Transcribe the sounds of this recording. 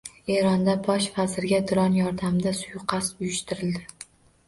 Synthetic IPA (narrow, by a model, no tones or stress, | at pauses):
e̞ɾɒnd̪abɒʃfazɪɾɡʲad̪ɪɾɒnjɒɾd̪amd̪asʊjqʰɑsʊjɪʃt̪ʰɪɾɪld̪ɪ